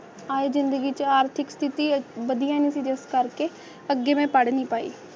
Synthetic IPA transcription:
aːezɪnd̪əɡiːt͡ʃəaːɾt̪ʰɪkst̪ʰɪt̪iːbəd̪ijãːniːsiːd͡ʒeskəɾkeː | əɡːeːmɛ̃ːpəɽniːpaːḭː

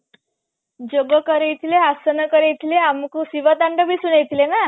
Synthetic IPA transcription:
d͡ʑoɡəkəɾejt̪ʰileasənəkəɾejt̪ʰileamkusiʋət̪aɳɖəbʱiːsunejt̪ʰilena

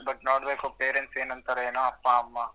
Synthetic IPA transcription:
bɐʈnɔːʈbɐkopeːɾẽɳʈseːnɐ̃nt̪ɐɾɐɦenaɐpːãmːãː

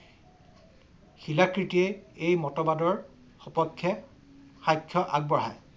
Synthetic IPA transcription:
xilakɹitiɛejmɔtɔbadɔɹ | xɔpɔkʰːɛ | xajkʰːjɔʔaɡ̚bɔɹɦaj

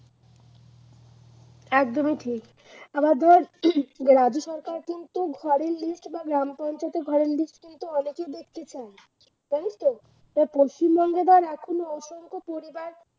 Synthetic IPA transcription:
ɛkd̪omiʈʰik | abaɾd̪ʱɔɾɡɾad͡ʑoʃɔɾkaɾkint̪uɡʱɔɾeɾlisʈbaɡɾampɔnt͡ɕat̪eɡʱɔɾeɾlisʈkint̪uɔneked̪ek̪ʰːet͡ɕʰa | t̪anist̪o | t̪apost͡ɕimbɔŋɡed̪ʱaɾɛkʰonoɔʃoŋkopoɾibaɾ

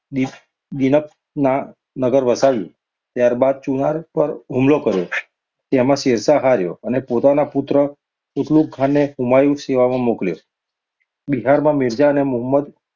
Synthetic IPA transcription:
i | d̪inək̚ | na | nəɡəɾʋəsaʋjṵ̃ | t̪jaɾbad̪̚t͡ʃunaɾpəɾɦumlokəɾjo | t̪emãseɾsaɦaɾjo̰ənepot̪anapʊt̪ɾə | ʊt̪luk̚ɡʱanːeɦumajuseʋamãmokljo | biɦaɾmãmɪɾd͡ʒaənemʊɦəmːəd̪

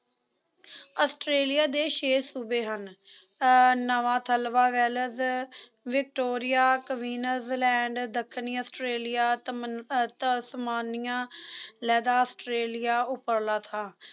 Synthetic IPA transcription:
əːsʈɾeːlɪjaːd̪eːʃeːsuːbeːɦən | nəʋãːt̪ʰəlʋaːʋɛːləz | ʋɪk̚ʈoːɾɪjaːkəʋiːnəɾzlɛ̃ːɳɖd̪əkʰːniːəːsʈɾeːlɪjaː | t̪səmaːnɪjãːlɛːd̪aːəːsʈɾeːlɪjaːʊpəɾlaːt̪ʰaː

